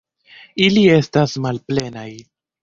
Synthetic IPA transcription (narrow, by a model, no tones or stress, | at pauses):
ilie̞stasmalple̞naj